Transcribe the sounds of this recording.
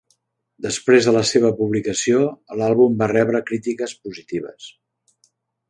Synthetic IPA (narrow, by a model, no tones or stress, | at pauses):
d̪əspɾezðələseβ̞əpuβlikəsioəlalˠβumbarɛβɾəkɾit̪ikəspuzit̪iβ̞ə̰s